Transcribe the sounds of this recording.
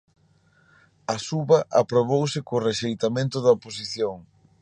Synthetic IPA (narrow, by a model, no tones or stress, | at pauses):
ɐsuβɐʔa̰pɾoβowsɪkʊreʃejt̪amẽnt̪ʊðɐopos̬iθjoŋ